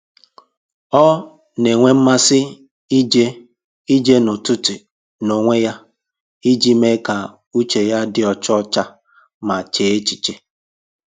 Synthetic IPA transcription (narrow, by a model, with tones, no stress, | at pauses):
ɔ˦ | ne˨ŋʷe˦m̩˦ma˦sɪ˦ | d͡ʒe˦ | i˦d͡ʒe˦nʊ˨tʊ˦ti˨ | no˨ŋʷe˦ja˦ | i˦d͡ʒi˦me˦ka˨ | u˦t͡ʃe˨ja˦dɪ˨ɔ˨t͡ʃɔ˦t͡ʃa˦ | ma˨t͡ʃeː˨˦e˦t͡ʃi˨t͡ʃe˦